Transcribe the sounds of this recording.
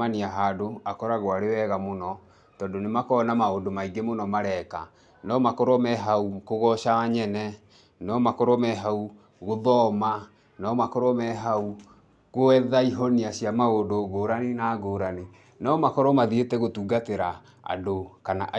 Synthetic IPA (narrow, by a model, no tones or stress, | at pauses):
aniaɦadoakɔɾaɣoaɾewɛɣamonɔ | tɔːndonemakɔːnamaodomaiɡemonɔmaɾɛːka̰ | nɔmakoɾɔmɛɦaukoɣɔʃawaɲɛnɛ | nɔmakoɾɔmɛɦau | ɣoðɔma | nɔmakoɾɔmɛɦau | ɣoɛðaiɦoniaɕiamaodoɡoːɾanenaːɡoːɾane | nɔmakɔɾɔmaðietɛɣotuːɡateɾa | a̰dokanaʔ